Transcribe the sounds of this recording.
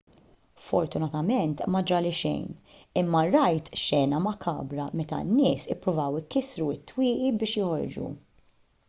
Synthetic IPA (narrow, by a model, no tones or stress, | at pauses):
fɔɾt̪ʊnɐt̪ɐmɛnt̪mɐd͡ʒɐlɪʃɛ̰jnɪmːɐɾɐjt̪ʃɛːnɐmɐkʰɐ̰ːbɾɐmɛt̪ɐ̰nːɪːsɪpːɾʊvɐwɪkːɪsɾuɪt̪ːwɪːʔibɪːʃjɔhɔɾd͡ʒṵ